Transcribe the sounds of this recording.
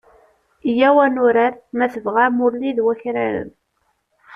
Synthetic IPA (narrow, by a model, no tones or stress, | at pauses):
jæwænʊɾæɾmæθəvʁaɾmʊɾliðwæçɾæɾə̰n